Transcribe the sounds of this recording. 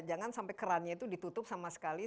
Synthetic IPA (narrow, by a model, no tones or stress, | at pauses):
d͡ʒaŋansampajkəɾanɲait̪udit̪ut̪ʊp̚samasə̥kali